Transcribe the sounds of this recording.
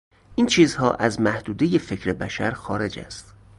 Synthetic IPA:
ʔiːnt͡ʃʰiːzhɒ̰ːʔæzmæhd̪uːd̪ejefe̞cʰɾebæ̰ʃæɾxɒːɾe̞d͡ʒæ̰st̪

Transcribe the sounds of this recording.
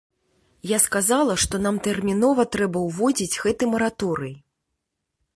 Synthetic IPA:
jaskazalˠɐʂt̪ɔn̪amt̪ɛrmʲinɔvɐt̪ɾɛbɐwvɔd͡zʲid͡zʲɣɛt̪ɨmɐɾat̪ɔɾɨj

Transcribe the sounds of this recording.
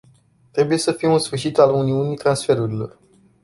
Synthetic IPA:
t̪ɾe̞buje̞səfijeunsfɨrʃit̪aluniunijt̪ɾansfe̞ɾuɾilo̞̰r

